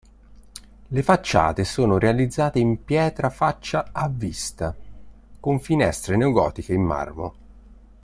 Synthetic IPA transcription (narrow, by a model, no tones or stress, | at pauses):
lefat͡ʃːa̰ːt̪esoːnoɾealid̪zːaːt̪eimpjɛːt̪ɾafat͡ʃːaavːist̪a | koɱfinɛ̰st̪ɾenewɡɔ̰ːt̪ikeimːa̰rmo̰